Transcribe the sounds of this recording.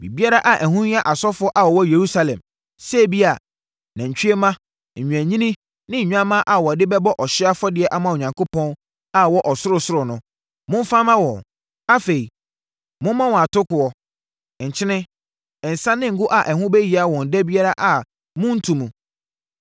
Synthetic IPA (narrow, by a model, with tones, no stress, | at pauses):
bḭ˨bi˦a˦ɾa˦ʔa˨ʔæ˨ɦʊ̃˦ɲ˦a˦ʔa˨sɔ˦fʊ˦ɔ˦ʔa˨ɔ˨wɔ˦je˨ɾu˦sa˦lɛ̰̃˨m | sɛ˦˨bi˦a˨ | nã˨ɲ̩˨t͡ɕᶣi˦e˦mã˦˨ | ɲ̩˨ɲᶣũ˨æ̃˨ɲĩ˦nĩ˦ | nɪ̃˦ɲ̩˨ɲᶣ˦ã˦mã˦ʔa˨wɔ˨dɪ˦bɛ˦bɔ˦ʔɔ˨ɕɪ˦a˦fɔ˦dɪ˨˦ɛ˦ʔa˦˨mã˨o˨ɲã˨ŋkʰo˦pʰɔ̃˦n | a˨wɔ˦ʔɔ˨sʊ˦ɾʊ˨sʊ˦ɾʊ˨nʊ̃˨ | mʊ̃˦m˦fãː˦mã˦wɔ̃˨n | a˦fe˨i˨ | mʊ̃˦mã˦wɔ̃˨a˨tʊ˦kʊ˨ɔ˨ | ɲ̩˨t͡ɕʰɪ˦nɪ̃˦ | ɛ˨n̩˨sã˦nɪ̃˦ŋ̩˨ɡʊ˦ʔa˨ʔæ˨hʊ̃˦bɛ˦ji˨a˨˦wɔ̃˨n̩˨dæ˦bi˦a˦ɾa˦ʔa˨ | mʊ̃˦n̩˦tʰũ˨mũ˨